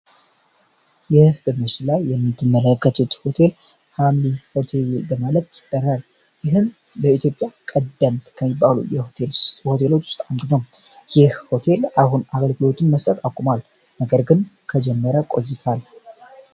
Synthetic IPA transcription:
jɛhbəmɨt͡ʃɪlajːɛmːɨt̪ʰːɨmːələkːət̪ʰut̪ho̞t̪ʰe̞l | hamliho̞t̪ʰe̞lbəmalət̪jɪt̪ʼːərːal | jɪɦɨm | bəit̪ʰjo̞pʼjakʼəd̪ːəmkʰəmːibːalṵjɛhoelssho̞t̪ʰe̞lo̞t͡ʃːwʊ̥st̪ʼand̪unəwjɪhho̞t̪ʰe̞lʔaɦunaɡəlɡɨlo̞t̪ʰɨnməst̪ʼət̪akʷʼumal | nəɡəɾɡɨnkʰəd͡ʒɛmːəɾəkʼo̞̰jːɪt̪ʰwal

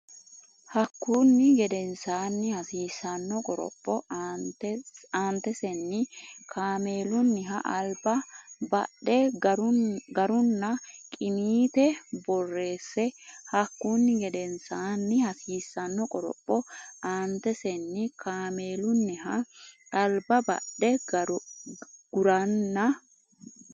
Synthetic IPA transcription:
hɐkːuːnːɪɡɛd̪ɛnsaːnːɪhɐsiːsɐnːɔkʼɔɾɔ̰pʼːɔ | aːnt̪ɛsɛnːɪkʰaːmeːlʊnːɪɦɐʔɐlbɐbɐ̰ɗɛ | ɡɐɾʊnːɐkʼɪmiːt̪ɛbɔrːe̞ːsːɛhɐkːunːɪɡɛd̪ɛnsanːɪhɐsiːsːɐnːɔkʼɔɾɔ̰pʼːɔaːnt̪ːɛsɛnːɪkʰaːmeːlʊnːɪɦɐɐlbɐbɐ̰ɗɛ | ɡ̥ʊɾɐnːɐ

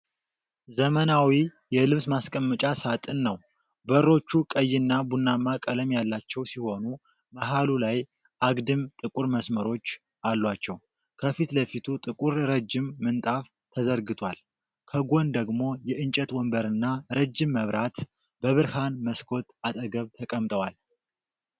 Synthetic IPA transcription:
zəmənawi | jɛlɨβsmaskʼəmːɨt͡ʃʼasat̪ʼɨnːəw | bəɾːo̞t͡ʃːukʼəjːɪnːabunːamːakʼələmjalːat͡ʃːɛwsiho̞nu | maɦalulaj | ʔaɡd̪ɨmt̪ʼɨkʼuɾməsməɾo̞t͡ʃː | alːwat͡ʃːɛw | kʰəfit̪ləfit̪ʰut̪ʼɨkʼuɾɾəd͡ʒːɪmːɨnt̪ʼaf | t̪ʰəzəɾɡɨt̪ʰwal | kʰəɡo̞nd̪əɡmo̞jɛʔɨnt͡ʃʼɛt̪wɔmbəɾɨnːaɾəd͡ʒːɪmːəβɾʔat̪ | b̥əβɨɾhanməskʰo̞t̪at̪ʼəɡəβt̪ʰəkʼəmt̪ʼəwal

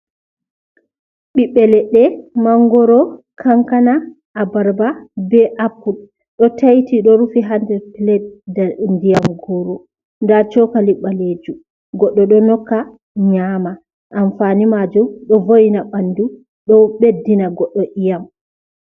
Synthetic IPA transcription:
ɓiɓɛlɛɗːɛmaŋɡɔɾɔkʰaŋkana | ʔːbaɾbabɛʔapːul | ɗɔtajtiɗɔɾufiɦandɛplɛdndijamɡɔɾɔ | ndat͡ʃɔkaliɓːaled͡ʒu | ɡɔɗːɔɗɔnɔkːa | ɲama | ʔamfanimad͡ʒumɗɔvojnaɓandu | ɗɔɓedːinaɡɔɗːɔʔijam

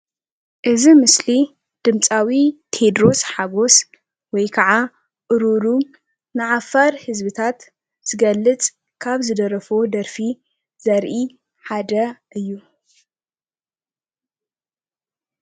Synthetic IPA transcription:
ʔɨzimɨsli | d̪̥ɨmt͡sʼawit̪ʰe̞d̪ɾo̞sħaɡo̞s | wɔjkʰɐʕa | ʔɨɾuɾu | nɨʕafaɾhɨzbɨt̪ʰat̪ | z̥ɨɡɐlːɨt͡sʼ | kʰaβzɨd̪ɐɾɐfo̞d̪ɐɾfi | z̥ɐɾʔi | ħad̪ɐʔɨjːu

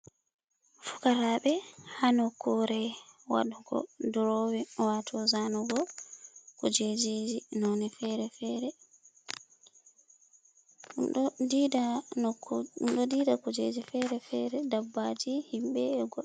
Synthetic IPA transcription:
fu̥kaɾaɓɛhanɔkʰuɾɛwa̰ɗuɡɔ̰duɾɔwɛwatʰɔzanɔɡɔ | kɔd͡ʒed͡ʒed͡ʒinɔnɛfɛɾɛfɛːɾɛ | ida | mɗɔdiːdakɔd͡ʒed͡ʒifɛɾɛfɛɾɛdabːad͡ʒihimɓɛːɡɔ

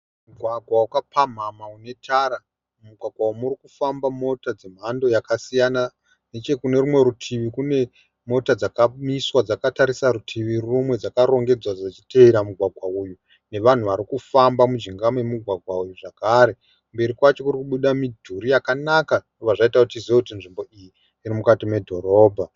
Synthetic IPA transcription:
muɡʱwaɡʱwawukapʰam̤amaune̞tʰaɾa | muɡʱwaɡʱwauumuɾikufambamo̞tad͡ze̞m̤ando̞jakasijana | ne̞t͡ʃe̞kune̞ɾumwe̞ɾutʰiʋikune̞ | mo̞tad͡zakamiswad͡zakataɾisaɾutʰiʋirrumwe̞d͡zakaɾo̞ŋɡe̞d͡zwad͡zat͡ʃiteiɾamuɡʱwaɡʱwauju | ne̞ʋan̤uʋaɾikufambamud͡ʒiŋɡamwe̞muɡʱwaɡʱwaujuʐakaɾe̞ | kumbe̞ɾikwat͡ʃo̞kuɾikuɓuɗamidʱuɾijakanaka | oʋaʐaitakutiziwekutinʐimbo̞ijiː | ɾimukatime̞dʱo̞ɾo̞ːbʱa

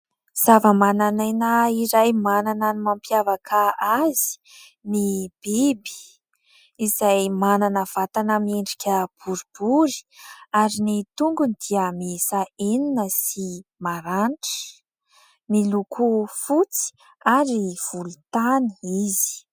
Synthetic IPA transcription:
z̥avəmananajnaiɾajmanananimampjavakʰaazi̥ | nib̥ebi̥ | izajmananəv̥at̪anəmeɳɖ͡ʐikʲəb̥uɾub̥uɾi̥aɾinit̪uŋɡunid̪̥iəmesaeninəsimaɾaɳʈ͡ʂə̥ | nilukʰufut͡si̥ | aɾiv̥ulut̪ani̥izi̥

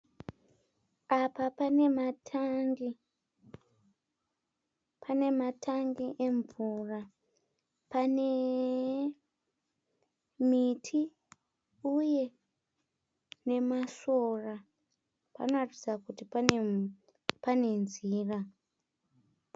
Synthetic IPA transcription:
apapane̞matʰŋɡi | pʰane̞matʰaŋɡiʔe̞ɱvura | pane | mitʰi | uje̞ | ne̞masora | pa̰noatid͡zakuti | pane̞nziːra

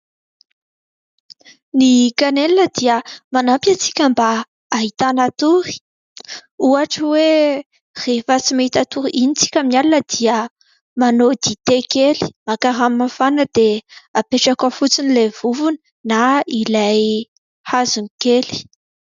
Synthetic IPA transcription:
nikanelinəd̪iəmanampjat͡si̥kʲambaː | ɦit̪anat̪uɾi̥ | uaʈ͡ʂwe | r̥efət͡simaɦit̪at̪uɾiʔinit͡si̥kʲaminalunəd̪̥iə | manod̪it̪ekeli̥makaɾamːafanəd̪eapeʈ͡ʂakəfut͡sinilev̥uvunə̥ | nailaj | hazunikeli̥

